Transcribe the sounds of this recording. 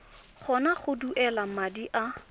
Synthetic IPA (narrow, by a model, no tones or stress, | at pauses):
χʰɔnaχʊduʔɛlamadiʔa